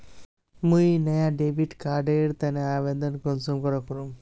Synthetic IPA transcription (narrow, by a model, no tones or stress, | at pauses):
mũjinɐjaɖeʋiʈkaːɾɖeɾt̪ɐneaʋed̪ənkɔnsumkɔɾɔkuɾu